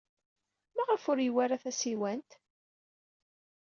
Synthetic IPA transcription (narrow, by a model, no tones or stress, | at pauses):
mæʁəfʊɾjwaɾaθæsiwænt̪